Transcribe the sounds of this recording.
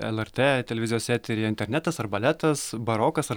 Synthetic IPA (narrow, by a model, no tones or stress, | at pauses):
ɛ̰lʲˠɛɾt̪eːt̪ʲɛlʲɛʋʲɪzʲɪjoːsʲæːt̪ʲeɾʲiɪnʲt̪ʲɛɾʲnʲæt̪ɐsɐrbɐlʲæt̪ɐsbɐɾoːkɐsɐ